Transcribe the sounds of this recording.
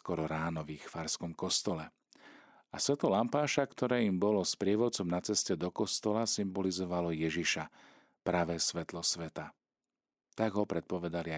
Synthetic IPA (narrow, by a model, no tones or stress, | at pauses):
kɔɾɔɾaːnɔʋixfaɾskɔmkɔst̪ɔlɛ | asʋɛt̪lɔlampaːʃakt̪ɔɾɛːimbɔlɔspɾɪɛʋɔt͡sɔmnat͡sɛscɛd̪ɔkɔst̪ɔlasimbɔlizɔʋalɔjɛʒiʃa | pɾaʋɛːsʋɛt̪lɔsʋɛt̪a | t̪aɡɦɔpɾɛt̪̚pɔʋɛd̪ali